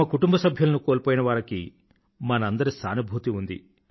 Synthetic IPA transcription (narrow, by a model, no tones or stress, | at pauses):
ɐkuʈumbɐsɐbʱjɐlɐnukoːlpoːjinɐʋaːɾɐkḭ | mɐnɐɐnd̪ɐɾisaːnubʱut̪iund̪ḭ